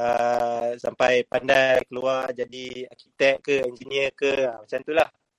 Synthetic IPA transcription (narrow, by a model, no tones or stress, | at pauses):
əsa̰mpajpandajkəluard͡ʒadia̰kit̪ɛk̚kəɛɲd͡ʒiniəkəəmat͡ʃamt̪ulah